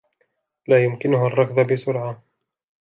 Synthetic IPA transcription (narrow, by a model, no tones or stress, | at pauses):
laːjʊmkɪnʊɦarˤːɑqðˤabɪsʊɾʕa